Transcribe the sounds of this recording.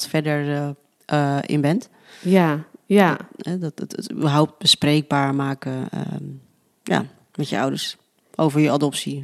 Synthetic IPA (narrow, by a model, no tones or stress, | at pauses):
tfɛdəɹ | ʔɪ̰nbɛnt | jajaɛdɔtətəty̰bəɹɦɔwp̚t̚b̥əsprejɡ̚baːɹmaːkəə̰ | ja̰ | mɛtjəʌ̰wdəɹs | ʔowvəɹjəadɔpsi